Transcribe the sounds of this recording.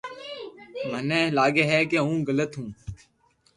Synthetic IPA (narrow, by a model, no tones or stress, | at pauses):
mənẽːlaːɡeːɦɛːkeːɦũːɡələt̪ɦũː